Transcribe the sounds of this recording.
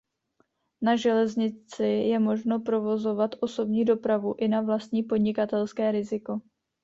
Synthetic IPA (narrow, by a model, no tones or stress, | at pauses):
naʒɛlɛzɲɪt͡sɪjɛmo̞ʒno̞pɾo̞vo̞zo̞vat̪ʔo̞so̞bɲiːdo̞pɾavuʔɪnavlast̪ɲiːpo̞dɲɪkat̪ɛlskɛːɾɪzɪko̞